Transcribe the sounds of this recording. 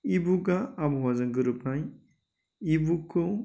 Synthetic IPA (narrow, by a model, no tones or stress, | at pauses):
ibuɡaːbwazaŋɡɯɾɯpʰaj | ibukʰɯ